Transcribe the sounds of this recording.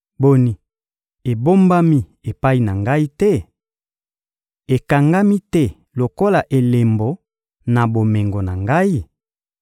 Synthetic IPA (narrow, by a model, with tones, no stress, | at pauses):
bo˨ni˨ | e˨bo˦mba˦mi˦e˨pa˦i˨na˨ŋɡa˦i˦tɛ˦ | e˨ka˨ŋɡa˦mi˦tɛ˦ | lo˨ko˦la˨ʔe˨le˨mbo˨ | na˨bo˨me˨ŋɡo˨na˨ŋɡa˦i˦